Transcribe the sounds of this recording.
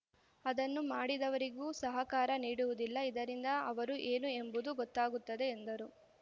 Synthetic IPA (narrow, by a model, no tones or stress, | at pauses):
ɐd̪ɐnːumaːɽid̪ɐʋɐɾiɡuːsɐɦɐkaːɾɐniːɽuʋud̪ilːɐid̪ɐɾind̪ɐɐʋɐɾuʔe̞ːnue̞mbud̪uɡɔt̪ːaːɡut̪ːɐd̪e̞ːnd̪ɐɾu